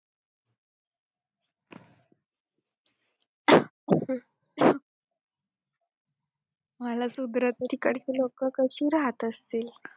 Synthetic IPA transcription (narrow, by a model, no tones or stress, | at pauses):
məlasud̪ɾət̪ət̪ʰikəɽt͡ɕiːlokəkəɕiːɾaɦət̪əst̪iːl